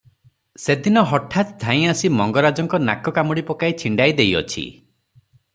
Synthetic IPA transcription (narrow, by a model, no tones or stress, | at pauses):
sed̪inɔɦɔʈʰːat̪d̪ʱãĩasimɔŋɡɔɾad͡ʒɔŋkɔna̰kɔkamɔɽipɔkajt͡ʃʰiɳɖajd̪ejɔ̰t͡ʃʰḭ